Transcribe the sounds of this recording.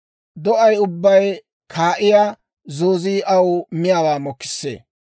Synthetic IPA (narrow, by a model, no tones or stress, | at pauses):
d̪ɔʔɐjʊbːɐj | kʰaːʔɪja | zoːziːʔɐwʊmɪjaːwaːmɔkːɪ̥sːḛː